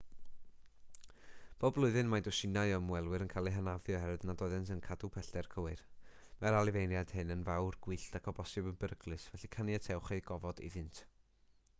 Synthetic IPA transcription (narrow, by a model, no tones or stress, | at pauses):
b̥oːblˠʊɨðɨnmajdʊʃɪnajɔmwɛlˠwɨɾənkʰaːlˠiɨɦanavjɔhɛɾɛdnadɔɨðɛns̬ənkʰadupʰɛɬd̥ɛrkʰəwɨr | maɾalˠɨvejnjad̥hɪnənvawrɡ̥wiɬtakʰɔbɔsɨbənbəɾəɡlˠɨsvɛɬikʰanjatʰɛwχejɡ̥ɔvɔdḭðɪntʰ